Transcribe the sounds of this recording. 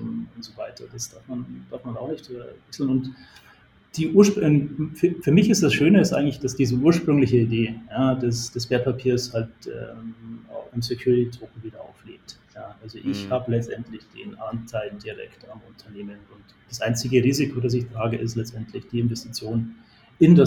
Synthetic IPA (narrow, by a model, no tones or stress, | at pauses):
ʊntz̥ovaɪtɐd̥asd̥aɐfmand̥aɐfmanaʊxnɪçtɛvɛksl̩nʊnt | d̥iːʔuːɐʃpnfyfyːɐmɪçɪstd̥asʃøːnəɪstʔaɪɡŋ̩tlɪçd̥asd̥iːzəuːɐʃpʁ̥ʏŋlɪçəideːjaːdɛsd̥ɛsv̥eːɐt̚pʰapʰiːɐshaltʔɛ̰a̰ʊxɪmsekʰj̥uːʁɪtitʁ̥oːk̩viːdɐa̰ʊflḛːk̚tjaːʔalzoʔɪçhaːbəlɛt͡stʔɛntlɪçd̥ḛːnʔantʰaɪlndiʁɛ̰ktamʊntʰɐneːmənʊnt | d̥asʔaɪnt͡sɪɡəʁiːzɪkʰodas̬ɪçtʁ̥aːɡəʔɪstlɛt͡stɛntʰlɪçd̥iːɪnvɛstit͡sjoːn | ɪnda